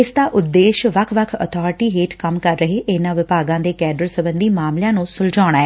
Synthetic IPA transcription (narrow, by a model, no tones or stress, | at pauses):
ɪsd̪aːʔʊd̪ːeːʃʋəkʰʋəkʰə̰t̪ʰɔːɾɪʈiːɦeːʈkəmkəɾːəɦeːʔɪnãːʋɪpaːɡãːd̪eːkɛːɖəɾsəbənd̪iːmaːmlɪjãːnũːsʊld͡ʒaːɳ̃ɽ̃aːɛː